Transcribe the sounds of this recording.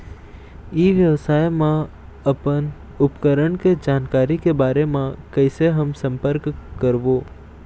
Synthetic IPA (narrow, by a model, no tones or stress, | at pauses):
iːʋjəʋsaːjmã | əpən | ʊpkəɾəɳked͡ʒaːnkaːɾikebaːɾemãkəɪseɦəmsə̃mpəɾkkːəɾʋoː